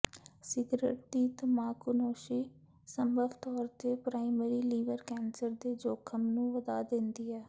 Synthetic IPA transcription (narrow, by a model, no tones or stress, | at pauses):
sɪɡɾḛʈ̚d̪iːt̪əmaːkʊnoːʃiː | səmbəʋt̪ɔːɾt̪eːpɾaːimɛɾiːliːʋəɾkɛːnsəɾd̪eːd͡ʒoːkʰəmnũːʋəd̪aːd̪ɪnd̪iːɛː